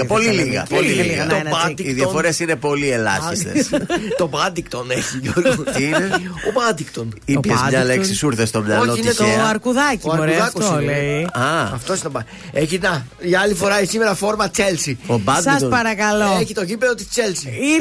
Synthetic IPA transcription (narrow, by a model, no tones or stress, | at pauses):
po̞liliɣɐ̰oliiit̪obɐd̪iiðj̪ɐofoɾesine̞po̞lielɐ̰çist̪ḛst̪o̞bɐd̪ikt̪o̞neçiʝoɾɣot̪ineobɐd̪ikt̪onipçezmɐleksisuɾθest̪omɲɐlooineoɐɾkuðɐt̪ioɐɾuðɐkosiɐɐft̪oesit̪obɐ | e̞çinɐ | ʝɐɐlifo̞ɾɐeçsime̞ɾɐfo̞ɾmɐt͡se̞lsiobɐdsspɐɾɐkɐloeçit̪o̞ʝipe̞ðot̪i̥st͡se̞lsii